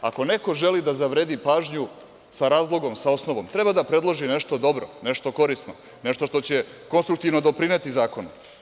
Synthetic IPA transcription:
ako̞ne̞ko̞ʒe̞lid̪azaʋɾed̪ipaːʒɲu | saɾaːzlˠo̞ɡo̞msao̞snoʋomt̪ɾe̞bad̪apɾe̞d̪lˠoʒine̞ʃt̪o̞d̪o̞bɾo̰ne̞ʃt̪o̞koɾisno | ne̞ʃt̪o̞ʃt̪o̞t͡ɕe̞ko̞nst̪ɾuk̚t̪iʋno̞d̪o̞pɾinet̪izaːko̞n

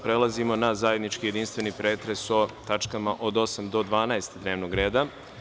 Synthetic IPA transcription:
pɾelˠazimo̞nazaje̞d̪nit͡ʃkije̞d̪inst̪ʋe̞nipɾe̞ːt̪ɾe̞so̞t̪at͡ʃkamaʔo̞d̪o̞samd̪o̞d̪ʋaːnaest̪d̪ne̞ːʋnoɡɾe̞ːd̪a

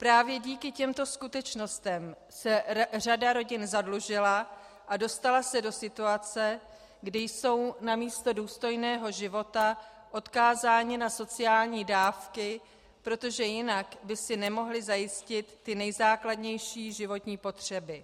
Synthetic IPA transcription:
pɾaːvjɛɟiːkɪcɛmt̪o̞skut̪ɛt͡ʃno̞st̪ɛm | sɛr̝adaɾo̞ɟɪnzadluʒɪla | ʔado̞st̪alasɛdo̞sɪt̪uat͡sɛ | ɡdɪjso̞wnamiːst̪o̞duːst̪o̞jnɛːɦo̞ʒɪvo̞t̪a | ʔo̞t̪kaːzaːɲɪnaso̞t͡sɪjaːlɲiːdaːfkɪ | pɾo̞t̪o̞ʒɛjɪnakbɪsɪnɛmo̞ɦlɪzajɪscɪt̪ːɪnɛjzaːkladɲɛjʃiːʒɪvo̞t̪ɲiːpo̞t̪r̝̥ɛbɪ

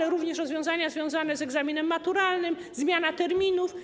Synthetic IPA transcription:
ɛɾuvɲɛʂɾɔzvʲjɔ̃w̃zaɲazvʲjɔ̃w̃zanɛzɛɡzamʲinɛmːat̪uɾalnɘm | zmʲjanat̪ɛɾmʲinuf

